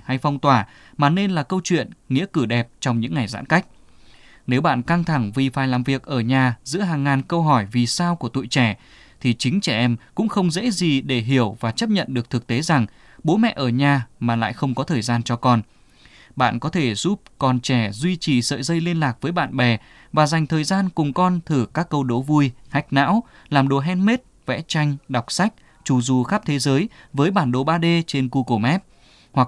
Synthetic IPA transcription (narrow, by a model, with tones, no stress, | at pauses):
ha˧jfɔ˧wŋ͡mt̪waː˧˩ | maː˨˩ne˧nlaː˨˩kə˧wt͡ɕwḭ˧˨ənŋḭ˧˥əkɨ˧˩ɗɛ˨˩p̚t͡ɕɔ˧wŋ͡mɲɨ̰˧˥ŋːa˨˩jza̰ː˧˥nka˦˥jk̟̚ | ne˨˦wɓa̰ː˧˨nka˧ŋt̪ʰa˧˩ŋvi˨˩faː˨˩jlaː˨˩mvi˨˩ək̚ʔəː˧˩ɲaː˨˩zɨ̰˧˥əɦaː˨˩ŋːaː˨˩nkə˧wɦɔ˧˩jvi˨˩saː˧wku˧˩ət̪ṵ˧˨jt͡ɕɛ˧˩ | t̪ʰi˨˩t͡ɕï˨˦ŋ̟t͡ɕɛ˧˩ʔɛ˧mkʊ̰˧˥ŋ͡mxə˧wŋ͡mzḛ˧˥zi˨˩ɗe˧˩ɦi˧˩əwvaː˨˩t͡ɕə˦˥p̚ɲə̰˧˨nɗɨ˨˩ək̚t̪ʰɨ˨˩k̚t̪e˨˦za˨˩ŋ | ɓo˨˦mɛ̰˧˨ʔəː˧˩ɲaː˨˩maː˨˩la̰ː˧˨jxə˧wŋ͡mkɔ˨˦t̪ʰəː˨˩jzaː˧nt͡ɕɔ˧kɔ˧n | ɓa̰ː˧˨nkɔ˨˦t̪ʰe˧˩zu˦˥p̚kɔ˨˩nt͡ɕɛ˧˩zwi˧t͡ɕi˨˩sə̰ː˧˨jzə˧jli˧ənlaː˨˩k̚vəː˨˦jɓa̰ː˧˨nɓɛ˨˩ | vaː˨˩za˨˩jŋ̟t̪ʰəː˨˩jzaː˧nkʊ˨˩ŋ͡mkɔ˧nt̪ʰɨ˧˩kaː˦˥kːə˧wɗo˨˦vu˧əjha˦˥jk̟̚na̰ː˧˥w | laː˨˩mɗo˨˩ɦɛ˧nme˦˥t̚ | vɛ̰˧˥t͡ɕa˧jŋ̟ɗa˨˩wk͡p̚sa˦˥jk̟̚ | t͡ɕu˨˩zu˨˩xaː˦˥p̚t̪ʰe˨˦zəː˨˦jvəː˨˦jɓaː˧˩nɗo˨˩ɓaː˧ɗe˧t͡ɕe˧nku˧ko˧˩mɛ˦˥p̚ | hwa˨˩k̚